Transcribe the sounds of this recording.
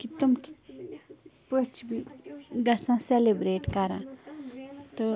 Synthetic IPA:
kit̪umki̥ | pət͡ʃʰbʱiɡɐsãselebɾeːʈkɐɾã̰ | t̪o

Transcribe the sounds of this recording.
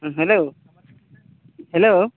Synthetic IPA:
ɦɛlo | hɛlo

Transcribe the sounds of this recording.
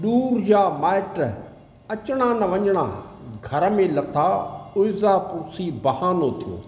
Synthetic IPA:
ɗuːɾd͡ʑaːmaːɪʈ | ɐt͡ɕɽ̃anɐʋɐɲəɽ̃a̰ː | ɡʱɐɾə̆mẽlɐt̪ʰaʊɪzaːpʊɾsiːbɐhaːnot̪ʰijõ̰ː

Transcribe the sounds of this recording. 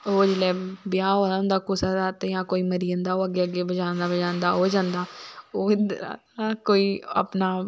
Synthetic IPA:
oːd͡ʒlɛːbɪjaːɦoːaːʊ̃nd̪aːkʊsaːd̪aːt̪ejãːkoːiːməɾiːə̃nd̪aːoːəɡːeːəɡeːbəd͡ʒãːnd̪aːbəd͡ʒaːnd̪aːoːd͡ʒãːnd̪aːoːɪd̪ɾ̰ | koːiːa̰pnaː

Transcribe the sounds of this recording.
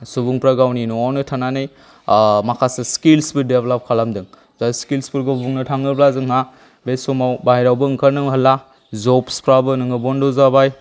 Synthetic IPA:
subuŋpɾaɡawninuawnɯtʰananɯj | makʰaseskilsbɯdeblap̚kʰalamdɯŋ | zaskilspɯɾɡɔbuŋnɯtʰaŋɯblazɯŋna | besɔmawbajɾawbɯŋkʰaɾnɯŋɦəla | zɔpspɾabɯnɯŋɯbɔndɔzabaj

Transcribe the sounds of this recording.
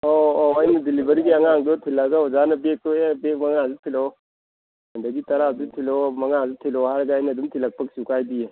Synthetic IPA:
oːɐjnɐdilibɐɾiɡiɐŋaŋdɔtʰilaɡaɔzanɐbek̚tɔebek̚mɐŋazutʰilo | hɐndɐɡitɐɾazutʰilomɐŋazutʰilɔhaɾɐɡaːjnɐːdumtʰilɐk̚pʰɐk̚siukajdije

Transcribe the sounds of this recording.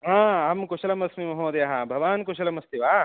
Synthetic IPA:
ɦãːamkuʃɐlɐmɐsmimɐɦoːd̪ɐjɐɦɐbʱɐʋaːnkuʃɐlɐmɐst̪iʋaː

